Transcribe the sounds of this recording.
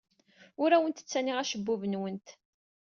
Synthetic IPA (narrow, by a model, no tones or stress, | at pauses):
ʊɾæwənt̪ə̥t͡sːæniʁæʃəbːʊvənwənt̪